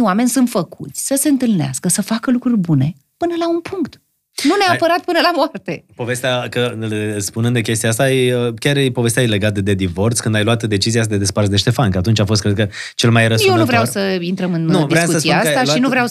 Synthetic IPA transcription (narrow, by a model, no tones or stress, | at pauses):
wame̞nʲsunt̪fəkut̪sʲsəse̞ɨnt̪ɨlnea̰skəsəfakəlukɾurʲbune̞ | pɨnəlaunpʰuŋkt̪ | nuneapəɾat̪̚pɨnəlamoart̪e̞po̞ve̞st̪eakəspunɨnd̪ekʲe̞s̬t̪iaast̪ajeəkʲarepo̞ve̞st̪jaele̞ɡat̪əd̪e̞d̪ivo̞rt̪skɨnd̪ajluat̪d̪e̞t͡ʃiziasd̪ed̪e̞sparsd̪e̞ʃt̪e̞fankəat̪unt͡ʃafost̪kɾed̪̚kə | t͡ʃe̞lmajrəsjewnuvɾeawsəint̪ɾəmɨnnuvivɾeasskusəsiaasaʃinuvɾeaw